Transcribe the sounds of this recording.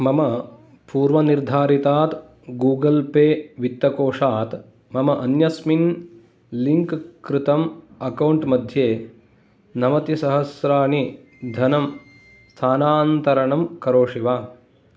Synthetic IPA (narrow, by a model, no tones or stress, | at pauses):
mɐmɐ | puːɾʋɐniɾd̪ʱaːɾit̪aːt̪ | ɡuːɡɐlpeːʋit̪ːɐkoːʂaːt̪ | mɐmɐʔɐnjɐsmin | liŋkkɾɪt̪ɐmɐkɐwɳʈmɐd̪ʱjeː | nɐmɐt̪isɐɦɐsɾaːɳi | d̪ʱɐnɐm | st̪ʰaːnaːnt̪ɐɾɐɳɐmkɐɾoːʂiʋaː